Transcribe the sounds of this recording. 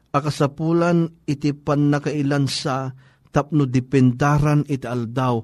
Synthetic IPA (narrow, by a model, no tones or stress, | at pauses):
ʔɐkasapulanɪt̪ipanːakaʔilansa | t̪ap̚nʊd̪ɪpɛnd̪aɾanit̪iald̪aw